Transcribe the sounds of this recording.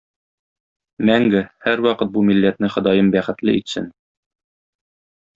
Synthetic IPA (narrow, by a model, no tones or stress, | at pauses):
mæŋɡɘhæɾwɒqɤt̪̚bumilːæt̪nɘχŏd̪ɑjɤmbæχɘ̆t̪lɘit̪sɘ̰n